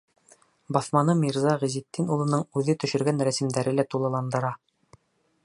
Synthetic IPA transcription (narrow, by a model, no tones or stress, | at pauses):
bɒθmɑnɤmʲiɾzɑʁizit̪ːinulˠɤ̆nɤɴʉðɘt̪ɵ̆ʃɵ̆ɾɡænɾæsɘ̆md̪æɾɘlæt̪ulˠɑ̆lˠɑnd̪ɤ̆ɾɑ